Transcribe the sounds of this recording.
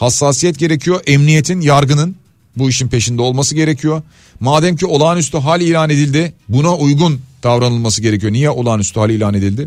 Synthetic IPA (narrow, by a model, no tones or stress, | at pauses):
hasːaːsijɛt̪̚ɟe̞ɾecʰijo̞ʔɛmnije̞t̪ʰinjaɾɡɯnɯn | buiʃinpʰe̞ʃind̪ɛo̞lˠmasɯɟe̞ɾecʰijo | maːd̪ɛmcʰio̞lˠaːnyst̪ʰyɦalʲiːlʲaːne̞d̪ilʲd̪ɪbunaujɡund̪̥avɾanɯlˠmasɯɟe̞ɾecʰijo̞nijɛʔo̞lˠaːnyst̪ʰyhalʲiːlʲaːne̞d̪ilʲd̪ɪ